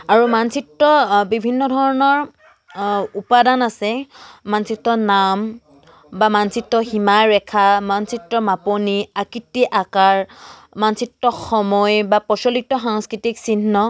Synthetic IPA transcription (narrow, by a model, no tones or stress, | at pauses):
aɹumansitːɔbibʱinːɔdʱɔɹɔnɔɹ | upadanasɛmansitːɔnam | bamansitːɔximaɹɛkʰamansitːɹɔmaponiakitːiʔakaɹmansitːɔxɔmɔjbapɔsɔlitːɔxaŋskɹitiksinːɔ